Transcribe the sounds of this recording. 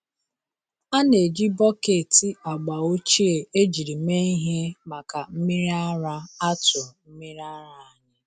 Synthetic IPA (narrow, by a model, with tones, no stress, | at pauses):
a˦ne˨d͡ʒi˦bɔ˦ke˨ti˨ɔ˨ɡ͡ba˨o˦t͡ʃi˦e˨e˦d͡ʒi˨ɾi˨me˦i˦ɦe˦ma˨ka˨m̩˦mi˦ɾi˦a˦ɾa˦a˦tʊ˨m̩˦mi˦ɾi˦a˦ɾa˨a˦ɲɪ˦